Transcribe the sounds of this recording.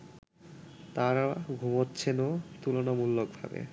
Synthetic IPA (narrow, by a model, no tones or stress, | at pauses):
t̪aɾaɡʱumotːɕʰenot̪ulonamulːok̚bʱa̰bḛ